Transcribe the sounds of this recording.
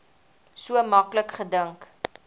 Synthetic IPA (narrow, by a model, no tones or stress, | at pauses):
suəmɐkləkχədəŋk